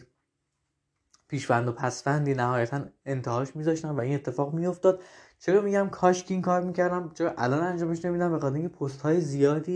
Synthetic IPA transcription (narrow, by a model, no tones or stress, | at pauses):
pʰiːʃbænd̪opʰæsfænd̪iːnæɦɒːjæt̪ʰæne̞nt̪ʰehɒːʃmiːzɒːʃt̪ænvæiːne̞t̪ʰːe̞fɒːɣmijo̞ft̪ɒːd̪̥̚t͡ʃʰe̞ɾɒːmiːɟæmkʰɒːʃcʰiŋkʰɒːɾmiːcʰæɾd̪æmt͡ʃʰeɾɒːʔælɒːnænd͡ʒɒːme̞ʃne̞mid̪æmbexɒt̪ʰeɾiŋcʰepʰost̪hɒːjezijɒːd̪iː